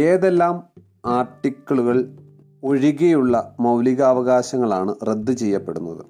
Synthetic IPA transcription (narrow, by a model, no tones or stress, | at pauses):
e̞ːðelːaːm | aːrʈːikːɐɭuɣɐɭ | oɻiɣejuɭːɐmɐwliɣɐːʋɐɣaːɕɐŋːɐɭaːɳɨre̞d̪ːɨt͡ɕe̞jːɐpːe̞ɽunːɐðɨ